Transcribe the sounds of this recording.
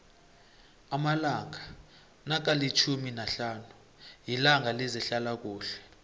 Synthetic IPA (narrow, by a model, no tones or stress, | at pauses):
amalaŋʱa | nak̬alit͡ʃʰuminaɬaːnu | jilaŋʱalizɛɬalak̬uːɬɛ̥